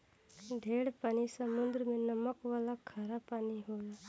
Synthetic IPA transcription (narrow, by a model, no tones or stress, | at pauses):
d̪ʱeːɽpaːnisəmʊnd̪ɾəmẽnəməkʋaːlakʰaːɾapaːniɦoːjaː